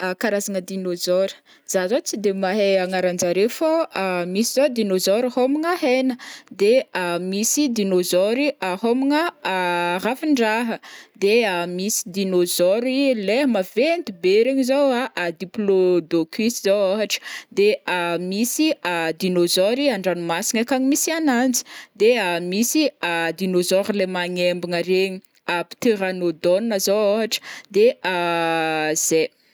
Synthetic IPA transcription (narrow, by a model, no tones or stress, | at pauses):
kaɾazanəd̪inozɔɾə̥ | z̥azot͡sid̪emaɦeaŋaɾand͡ʒaɾefomisizod̪inozɔɾihomiŋəɦenəd̪eamisid̪inozɔɾiaɦominə | rafiɳɖ͡ʐaɦəd̪eamisid̪inozɔɾileɦəmavend̪ibeɾaɲizawaʔad̪iplod̪okisizawaɦaʈ͡ʂə̥d̪eamisiad̪inozɔɾiaɳɖ͡ʐanumasiŋakaɲimisianand͡zi̥d̪eamisiad̪inozɔɾlemaɲembiŋaɾeɲi | api̥t̪eɾanod̪onnəzowaɦaʈ͡ʂə̥d̪ea | z̥e